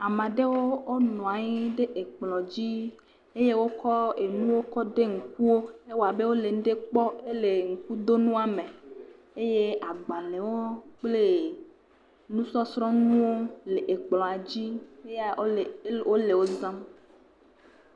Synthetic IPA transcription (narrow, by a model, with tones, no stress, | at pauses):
a˨mã˨ɖe˦wo˦o˦nɔ̃˨a˨ɲi˦ɖe˦ʔe˨k͡plɔ̃˨d͡ʑi˦ | e˦je˦wo˦kɔ˦e˨nũ˦wo˦kɔ˦ɖe˦ŋ̩˨ku˦wo˦e˦wo˨a˨be˦wo˦le˨ŋũ˦ɖe˦k͡pɔ˦e˦le˨ŋ̩˨ku˦d̪o˦nũ˦a˨me˨ | e˦je˦a˨ɡ͡ba˨le˨wo˦k͡ple˦ | nũ˦sɔ˦sɾɔ̃˦nũ˦wo˦le˨ʔe˨k͡plɔ̃˨a˨d͡ʑi˦e˦ | wo˦le˨wo˦zã˦m